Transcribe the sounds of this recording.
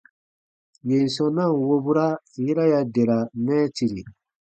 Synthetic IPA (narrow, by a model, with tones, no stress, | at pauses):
je˨n˨sɔ̃˨nã˦˨wo˦bu˦ɾa˦ | ji˦ɾa˦ja˨de˨ɾa˨nɛ˦ti˨ɾi˨